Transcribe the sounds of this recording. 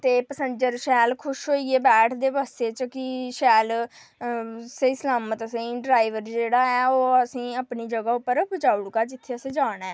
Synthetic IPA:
t̪eːpəsənd͡ʒəɾʃɛːlkʰʊʃɦoːiːeːbɛːʈʰd̪eːbaːst̪eːt͡ʃkɪʃɛːl | seislaːmət̪əsəiɖɾaːiʋəɾd͡ʒeːɽaːɛːoːəsĩːaːpniːd͡ʒəɡaːʊpːəɾbəd͡ʒaːʊɽkaːd͡ʒɪt̪ʰːeːəsẽːd͡ʒaːɽ̃ɛː

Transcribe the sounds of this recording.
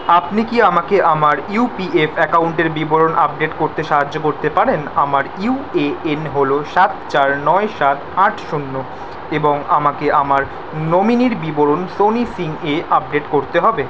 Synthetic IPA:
apnikiamakeʔamaɾiupiefɛkawɳʈeɾbiboɾonʔap̚ɖeʈkoɾt̪eʃaɦad͡ʑːokoɾt̪epaɾenamaɾiueenɦoloʃat̪t͡ɕaɾnɔeʃat̪aʈʰʃunːo | eboŋamakeʔamaɾ | nominiɾbiboɾonsonisiŋeap̚ɖeʈkoɾt̪eɦɔbe

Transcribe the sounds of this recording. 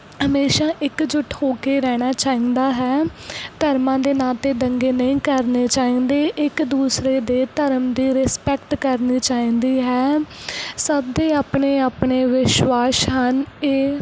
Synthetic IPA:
ɦəmeːʃaːʔɪkd͡ʒʊʈʰɦoːkeːɾɛːɽ̃aːt͡ʃaːĩːnd̪aːɦɛːt̪əɾmãːd̪eːnaːt̪eːd̪əŋɡeːnəĩːkəɾneːt͡ʃaːĩːnd̪eːʔɪkd̪uːsɾeːd̪eːt̪əɾəmd̪iːɾɪspɛkʈkəɾniːt͡ʃaːĩːnd̪iːɦɛː | səb̚d̪eːaːpɳeːaːpɳeːʋɪʃwaːʃɦəneː

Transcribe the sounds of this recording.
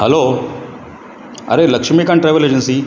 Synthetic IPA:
həlo | ə̰ɾeləkʂmikaɳʈɾajʋəled͡ʑənsi

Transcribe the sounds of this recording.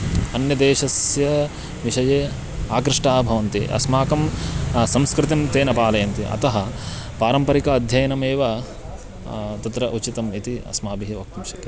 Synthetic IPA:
ɐnjɐd̪eːʃɐsjɐ | ʋiʃɐjeː | aːkɾɪʂʈaːbʱɐʋɐnt̪ḭʔɐ̰smaːkɐmsɐmskɾɪt̪imt̪eːnɐpaːlɐjɐnt̪ḭʔɐ̰t̪ɐɦɐ̆paːɾɐmpɐɾikɐːd̪ʱjɐjɐnɐmeːʋɐ | t̪ɐt̪ɾɐʔut͡ʃit̪ɐmit̪iɐ̰smaːbiɦiʋɐk̚t̪ɐmʃɐkɐ

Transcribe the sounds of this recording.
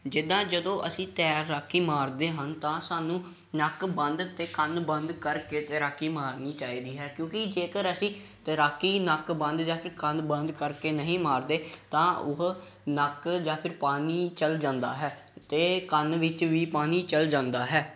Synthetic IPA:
d͡ʒɪd̪ãːd͡ʒəd̪õːʔəsĩːt̪ɛːɾaːkʰːiːmaːɾd̪eːɦənt̪ãːsaːnũː | nəkbənd̪t̪eːkənbə̃nd̪kəɾkeːt̪ɛɾaːkːiːmaːɾniːt͡ʃaːiːd̪iːɦɛːkjõːkɪd͡ʒeːkəɾəsĩːt̪əɾaːkːiːnəkbənd̪d͡ʒaːpʰɪɾkənbə̃nd̪kəɾkeːnəɦĩːmaːɾd̪eːt̪ãːʊɦ | nəkd͡ʒaːpʰɪɾpaːniːt͡ʃəld͡ʒãːnd̪aːɦɛː | t̪eːkənʋɪt͡ʃʋiːpaːniːt͡ʃəld͡ʒãːnd̪aːɦɛː

